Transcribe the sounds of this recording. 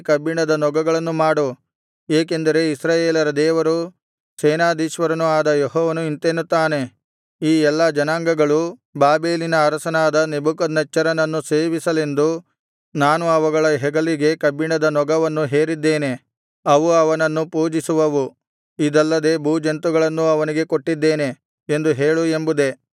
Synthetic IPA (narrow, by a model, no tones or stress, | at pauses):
kɐbiɳɐd̪ɐnɔɡɐɡɐɭɐnːumaːɽu | eːk̬e̞nd̪ɐɾe̞isɾaːjeːlɐɾɐd̪ɛːʋɐɾu | sɛːnaːd̪iːʃʋɐɾɐnuaːd̪ɐjeɦɔːʋɐnuint̪eːnut̪ːaːne̞ | iːɛlːɐd͡ʒɐnaːŋɡɐɡɐɭubaːbeːlinɐːɾɐsɐnaːd̪ɐnebukɐd̪nɐt͡ʃːɐɾɐnɐnːuseːʋisɐle̞nd̪u | naːnuɐʋɐɡɐɭɐɦɛɡɐliɡe̞kɐbiɳɐd̪ɐnɔɡɐʋɐnːuɦe̞ːɾid̪ːe̞ːne̞ | ɐʋuɐʋɐnɐnːupuːd͡ʒisuʋɐʋu | id̪ɐlːɐd̪e̞ːbʱuːd͡ʒɐnt̪uɡɐɭɐnːuɐʋɐniɡe̞koʈːid̪ːe̞ːne̞ | end̪uɦe̞ːɭuembud̪e̞